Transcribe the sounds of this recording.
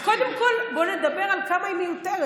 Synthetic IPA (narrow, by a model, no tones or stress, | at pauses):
kod̪emkolboned̪abeʁalkamajmint̪aʁ